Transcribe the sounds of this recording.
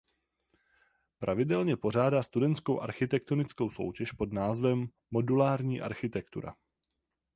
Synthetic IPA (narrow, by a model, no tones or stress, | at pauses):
pɾʔavɪdɛlɲɛpo̞r̝aːdaːst̪udɛnt̪skowʔa̰ɾxɪt̪ɛk̚t̪o̞nɪt͡sko̞wso̞̰wcɛʃpo̞dnaːzvɛmː | o̞dulaːɾɲiːʔa̰ɾxɪt̪ɛkt̪ṵɾa̰